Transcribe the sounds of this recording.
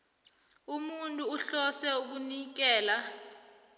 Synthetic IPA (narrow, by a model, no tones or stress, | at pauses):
umuntʼuːɬɔsɛuk̬unik̬ɛːla